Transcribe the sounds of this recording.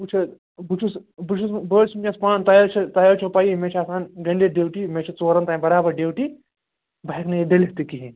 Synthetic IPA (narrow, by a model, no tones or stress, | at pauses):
ut͡ʃʰɐ | but͡ʃʰusbut͡ʃʰusbəːɾsʰmt͡ʃʲɐ̃spãːnt̪ɐjoːt͡ʃʰɐt̪ajoːt͡ʃʰɐpaːjimet͡ʃʰasaːnɡɐɳɖeɖeːwʈimet͡ʃʰɐt͡soːɾɐnt̪ãːbɐɾaːbɐɾɖeːwʈi | bɐɦiknɐjeɖelet̪ikiɦĩ